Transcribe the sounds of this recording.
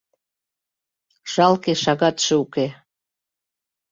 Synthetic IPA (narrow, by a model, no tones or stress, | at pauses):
ʃɑlkeʃɑɣɑt̪ʃɤuke